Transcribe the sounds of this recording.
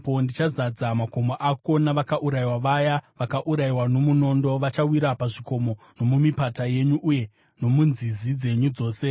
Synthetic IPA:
po̞ndit͡ʃazad͡zamako̞moʔako̞naʋakaʔuɾaiwaʋajaʋakaʔuɾaiwano̞muno̞ndo̞ʋat͡ʃawiɾapaʐiko̞mo̞ | no̞mumipataje̞ɲuʔuje̞ | no̞munzizid͡ze̞ɲud͡zo̞ːse̞

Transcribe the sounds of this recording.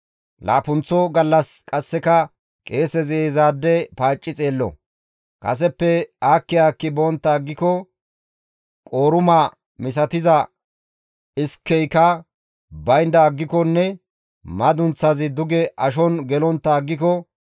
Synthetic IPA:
la̰ːpʊnt͡sːɔɡɐlːɐskʼɐsːɛkɐ | kʼe̞ːsɛzeːzaːd̪ːɛpaːt͡ʃʼːɪt͡sʼeːlːɔ̰ | kʼɐ̰s̬ɛpːɛaːkːɪaːkːɪbɔːnt̪ːɐːɡːɪkɔ | kʼo̞ːɾʊma | mɪs̬ɐt̪ɪzɐ | ɪskːɛjkɐ | bɐjnd̪ɐːɡːɪkɔnːɛ | mɐd̪ʊnt͡sːɐzɪd̪ʊɡɛʔɐʃ̬ɔnɡɛlɔnt̪ːɐːɡːɪkɔ

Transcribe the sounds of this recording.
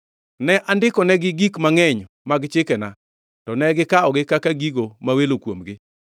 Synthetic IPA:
nɛʔandɪkɔnɛɡɪɡikmaŋɛɲ | maɡt͡ʃɪkɛna | tɔnɛɡɪkaɔɡɪkakaɡiɡomawelokwomɡɪ

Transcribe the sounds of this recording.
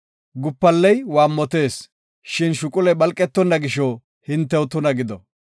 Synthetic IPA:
ɡʊpːɐlːɛjwaːmːɔt̪e̞ːs | ʃɪnʃʊkʼʊlɛbɐlkʼːɛt̪ːɔnːɐɡɪʃɔ | hɪnt̪ːɛwʊt̪ʊnɐɡɪd̪ɔ

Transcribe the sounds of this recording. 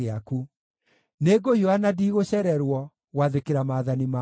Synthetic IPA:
eaku | neɡohiɔanadiːɣoɕɛɾɛɾwɔ | ɣwaðekeɾamaːðanima

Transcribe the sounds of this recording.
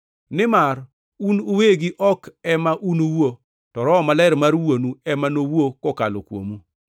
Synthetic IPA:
nɪmar | unuweɡiʔɔkɛmaʔunuwo | tɔɾɔmalɛɾmarwonuɛmanowokɔka̰lo̰kwo̰mu

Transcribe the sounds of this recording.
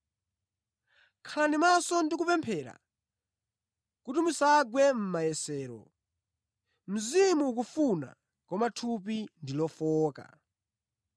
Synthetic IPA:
kʰaanimasɔndikupɛmpʰɛɾa̰ | kutimusaɡwɛm̩majɛsɛːɾɔ̰ | m̩zimuːk̬ufuna̰ | kɔmatʰup̬indilɔfɔːka̰

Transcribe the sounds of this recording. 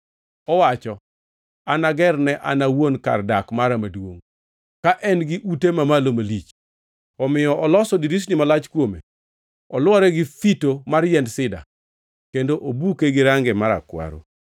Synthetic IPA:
ɔwat͡ʃɔ | anaɡɛrnɛʔa̰nawonka̰rdakmaɾamadwoŋ | kaʔɛnɡɪʔutemamalomalit͡ʃ | ɔmɪjɔʔɔlɔsɔdiɾis̬nɪmalat͡ʃkwomḛ | ɔlwɔɾɛɡɪfitomaɾjɛndsɪda̰ | kendoʔobukeɡɪɾaŋɡɛmaɾa̰kwa̰ɾo̰

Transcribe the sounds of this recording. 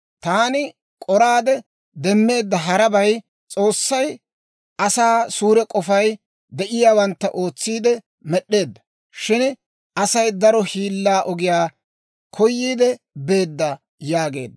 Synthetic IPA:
t̪aːnɪ | kʼɔɾaːd̪ɛ | d̪ɛmːe̞ːd̪ːɐɦɐɾɐbɐj | t͡sʼo̞ːsːɐj | ʔɐsaːsuːɾɛkʼɔfɐj | d̪ɛʔɪjaːwɐnt̪ːɐʔoːt͡sːiːd̪ɛ | mɛɗːe̞ːd̪ːɐ̥ | ʃɪn | ʔɐsɐjd̪ɐɾɔhiːlːaːʔɔɡɪjaː | kʰɔjːiːd̪ɛ | be̞ːd̪ːɐ | jaːɡe̞̰ːd̪ːɐ

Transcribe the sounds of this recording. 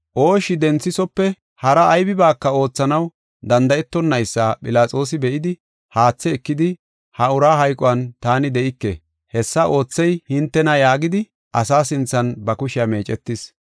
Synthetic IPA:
ʔo̞ːʃɪd̪ɛnt͡sːɪsɔpːɛ | hɐɾɐʔːjbɪbaːkːɐo̞ːt͡sːɐnɐw | d̪ɐnd̪ɐɛt̪ːɔnːɐjsːaːpʼɪlaːt͡sʼo̞ːs̬ɪbɛʔɪd̪ɪ | haːt͡sːɛːkːɪd̪ɪ | hɐʊɾaːɦɐjkʼɔwɐnt̪aːnɪd̪ɛʔɪkːḛ | hɛsːɐʔo̞ːt͡sːɛjhɪnt̪ːɛnɐjaːɡɪd̪ɪ | ʔɐsaːsɪnt͡sːɐnbɐkʊʃɪjɐme̞ːt͡ʃʼɛt̪ːɪs

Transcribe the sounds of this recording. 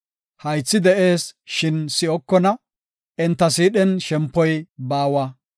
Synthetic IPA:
hɐjt͡sːɪd̪ɛʔe̞ːsʃɪnsɪɔkːɔnɐ | ɛnt̪ːɐsiːɗɛnʃɛmpːɔjbaːwɐ

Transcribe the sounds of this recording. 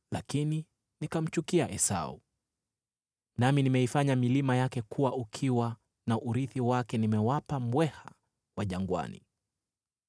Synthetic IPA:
lakini | nikam̩t͡ʃukiaʔɛsa̰ṵ | naminimɛifaɲamilimajakɛkʰuwaʔukʰiwa | naʔuɾiθiwakɛnimɛwapambwɛha | waʄaŋɡwa̰nḭ

